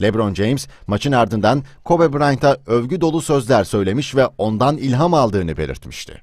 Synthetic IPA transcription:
lʲebɾond͡ʒejmz̥mat͡ʃʰɯnaɾd̪ɯnd̪ankʰo̞bɛbɾant̪ʰaøvɟyd̪o̞lˠusø̞zlʲæɾsø̞jlʲe̞miʃvɛo̞nd̪anilʲɦamalˠd̪ɯːnɯbe̞̰lʲḭɾt̪mi̥ʃt̪ʰɪ̥̰

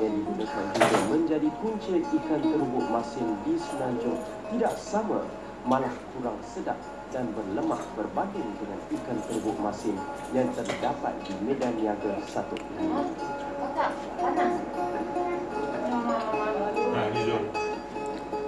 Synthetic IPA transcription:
jandiɡunakand͡ʒiɡamə̃ɲd͡ʒadikunt͡ʃɪt̪̚ikant̪ərbʊʔ̚masɪndisəlaɲt͡ʃʊŋ | t̪idaʔsamã̰ | mãlahkuɾaŋsəda̰ʔ̚ | danbərləma̰ʔbərbaɡɪŋdəŋãnikant̪ərbʊʔ̚mãsɪn | jaŋt̪ərdapa̰t̪̚dimedanjaɡasat̪ʊ̰ʔ | a | aaa

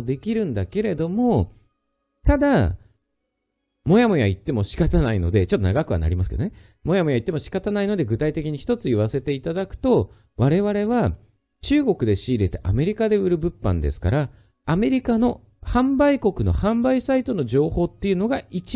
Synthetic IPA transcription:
d̪e̞kʲiɾɯ̟̃nd̪ake̞ɾe̞d̪o̞mo̞ | t̪ad̪a | mo̞jamo̞jait̪ːe̞mo̞ɕi̥kat̪anaino̞̰d̪e̞t͡ɕot̪ːo̞naɡakɯ̟βa̰na̰ɾʲimasɨ̥ked̪one | mo̞jamo̞jait̪ːe̞mo̞ɕi̥kat̪anaino̞d̪e̞ɡɯ̟t̪ait̪e̞kʲiɲ̟içi̥t̪o̞t͡sɨiβ̞ase̞t̪e̞it̪ad̪akɯ̟̥t̪o̞ | βaɾe̞βaɾe̞βa | t͡ɕɨːɡo̞kɯ̟d̪e̞ɕiːɾe̞t̪eʔa̰me̞ɾʲikad̪e̞ɯ̟ɾɯ̟bɯ̟pːã̰nd̪e̞̰sɨ̥ka̰ɾaː | me̞ɾʲikano̞ | hãmbaiko̞kɯ̟no̞̰hãmbaisait̪o̞no̞ʑo̞ːho̞ːt̪ːe̞jɯ̟no̞ɡait͡ɕi

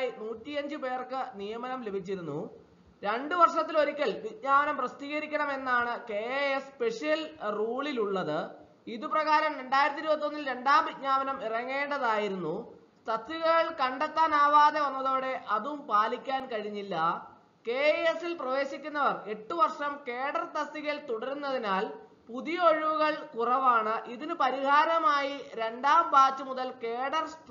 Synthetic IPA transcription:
jinuːtːijɐɲd͡ʑɨpe̞ːrkɨnijɐmɐnɐmle̞bʱit͡ɕːiɾunːu | ɾe̞ɳɖɨʋɐrʂɐt̪ːilo̞ɾikʲːɐɭʋit̚ɲaːɐnɐmprɐst̪iːɣɐɾikʲːɐɳɐme̞nːaːɳɨke̞eespe̞ʂijɐlruːɭiluɭːɐðɨ | iðuprɐɣaːɾɐmɾe̞ɳɖaːjiɾɐt̪iɾubɐt̪iːonːilɾe̞ɳɖaːmbidɲaːmɐnɐmirɐŋːe̞ːɳɖɐðaːjiɾunːu | st̪ʰɐt̪ʰːjuɣɐɭkɐɳɖɐt̪ːaːnaːʋaːðe̞ʋɐnːɐðo̞ːɽe̞ʔɐðumpaːlikʲːaːnkɐɻiɲːilːɐ | ke̞eesilprɐʋe̞ːɕikʲːunːɐʋɐre̞ʈːuʋɐrʂɐmke̞ːɽɐrt̪ɐst̪ːiɣɐlt̪uɽɐɾunːɐðinaːl | puðijɐoɻiʋuɣɐɭkurɐʋaːɳɨʔiðinɨpɐɾihaːɾɐmaːjiɾe̞ɳɖaːmbaːt͡ɕːumuðɐlke̞ːɽɐrs

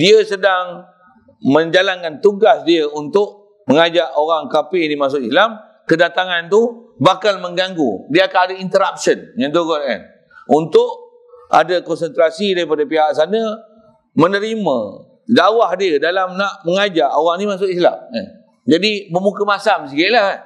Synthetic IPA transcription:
diəsədaŋ | mə̃ɲd͡ʒalankant̪uɡasdiəunt̪ʊʔ | məŋad͡ʒaʔoɾaŋkapɪnimas̬ʊʔislam | kədat̪aŋant̪u | bakalmə̃ŋɡaŋɡṵdiəakaadaint̪əɾap̚sənŋãndoɡɔlɛ̰n | unt̪ʊʔ | a̰dəkɔnsənt̪ɾasidaɾipadəpiɦaʔsanə | mənəɾimə̰̃ | dawahdiədalamnaʔməŋad͡ʒaʔoɣaŋnimas̬ʊʔisla̰ma̰n | d͡ʒadiməmukəmasams̬ikilahan

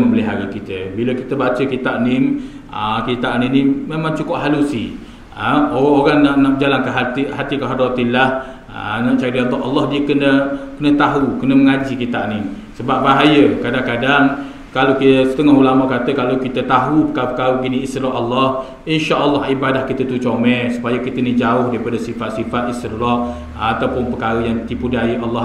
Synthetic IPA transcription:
məməliɦaɾikit̪əbiləkit̪əbat͡ʃəkit̪aʔnɪŋ | ə̰kit̪aʔninimemãŋt͡ʃukʊʔɦalusḭ | əoaoɾaŋnaʔnaʔd͡ʒalaŋkaɦat̪ihat̪ikaɦadɔt̪ilah | ənaʔt͡ʃadild̪ɔʔɑ̰lːɑhdiəkənəkənət̪aɦukənəməŋad͡ʒikit̪aʔnɪŋ | səbap̚baɦajəkadaŋkadaŋ | kalokisə̥t̪əŋɔɦulamakat̪əkalowkit̪ət̪aɦupəkaəpəkaɾəɡinĩːst̪iɾɔʔalːɑh | inʃaʔəlːɑhibadahkit̪ət̪ut͡ʃomɛ̃su̥pajəkit̪ənid͡ʒaʊhdaɾipadasifat̪̚sifat̪̚ist̪iɾɔʔ | at̪awpʊnpəkaɾəjaŋt̪ipudaiʔalːɑ

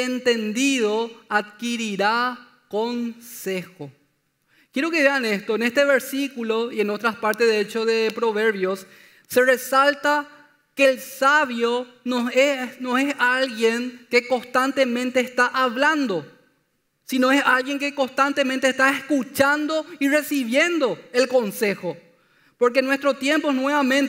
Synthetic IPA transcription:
ent̪end̪iðoaðkiɾiɾa | konsexo | kjeɾo̞keðeanest̪oenest̪eβeɾsikuloienot̪ɾaspaɾt̪eðeet͡ʃoðepɾoβeɾβjosː | eresalt̪a | kelsaβjo | noenoesalɣjeŋke̞ko̞st̪ant̪emẽ̞nt̪eːst̪aʔaβland̪o̞ | sino̞esalɣjeŋkeko̞nst̪ant̪emẽnt̪eːst̪aeskut͡ʃand̪o̞ire̞siβjend̪o̞elko̞nse̞xo | poɾk̬enwe̞st̪ɾot̪jẽ̞mpoeɦnweβamẽ̞nt̪

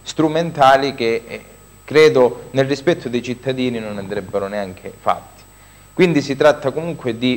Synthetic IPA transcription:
st̪ɾument̪aːlik̟e | kːɾɛːd̪onelrispɛt̪ʰːod̪ejt͡ʃit̪ːad̪iːninonand̪ɾɛbːeɾʊneaŋkʰefa̰t̪ːi̥ | kwind̪isit̪ɾat̪ːakomuŋkwed̪i

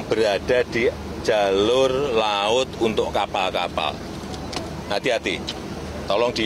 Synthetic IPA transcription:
b̥əɾaɖ̥ad̪̥i | d̥ʒ̥a̤lʊrlaʊt̪unt̪ʊʔkapalkapa̰l | nat̪iat̪i | t̪ɔlɔŋd̪̥i

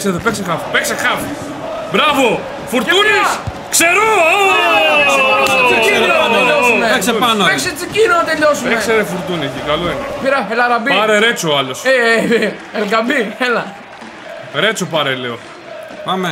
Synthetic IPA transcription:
kseðopeksexɐfipeksexɐfi̥ | bɾɐvo | fuɾt̪unis | kseɾoo | soɐɾoɐt͡siioɐteʎosumeseɐnpekset͡sicinonɐt̪eʎosumeekseɾefuɾt̪uniikɐloeɡɐpiɾɐelɐɾɐbiɐɾeɾet͡soɐlose | elɡɐbielɐ | ɾet͡sopɐɾeleo | pame

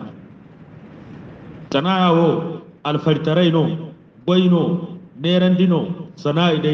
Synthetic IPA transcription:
tʼɐnaːjaːwoɐlfɐɾt̪ɐɾɐjno | ɡɔjnomeːɾɐnd̪inosɐnaːɪɗɐ

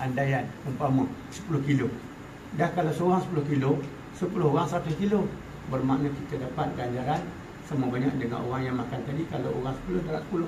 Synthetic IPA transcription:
andajanəmpama | sə̥pulʊhkilo | dahkalawsəoɣaŋsə̥pulʊhkilo | səpulʊhɦoɣaŋsat̪ukilo | bərmaʔnəkit̪adapat̪̚ɡaɲd͡ʒaɾan | samabaɲa̰k̚dəŋa̰no̰ɣaŋjaŋmakant̪adikalao̰ɣaŋsə̥pulʊhdaɾaʔsə̥pulʊh

